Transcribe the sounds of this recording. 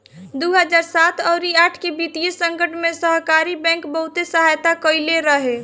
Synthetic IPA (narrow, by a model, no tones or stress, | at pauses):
d̪uɦəd͡ʒaːɾsaːt̪ʰəːɾiaːʈʰkebit̪ijesə̃ŋkəʈʰmẽsəɦkaɾibɛ̃ːŋkbəɦut̪esəɦaːjt̪akəɪleɾəɦe